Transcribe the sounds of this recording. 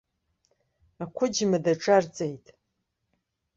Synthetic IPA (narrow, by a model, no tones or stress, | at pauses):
akʷʰʊd͡ʒmadaʈ͡ʂʼart͡sʼejtʼ